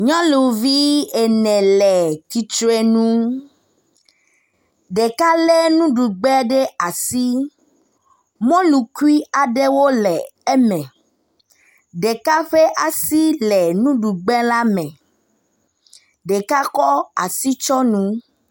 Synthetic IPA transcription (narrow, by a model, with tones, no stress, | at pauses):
ɲɔ̃˦lu˨vi˦e˨nɛ̃˨lɛ˨t̪i˨t͡ʃɾe˦nũ˦ | ɖe˨ka˦lɛ˦nũ˦ɖu˨ɡ͡bɛ˦ɖe˦a˨si˦ | mɔ̃˦lu˨ku˦i˦a˨ɖe˦wo˦lɛ˨e˦mɛ̃˨ | ɖe˨ka˦ɸe˦ʔa˨si˦lɛ˨nũ˦ɖu˨ɡ͡bɛ˦la˦mɛ̃˨ | ɖe˨ka˦kɔ˦a̰˨si˦t͡ʃɔ˦nũ˦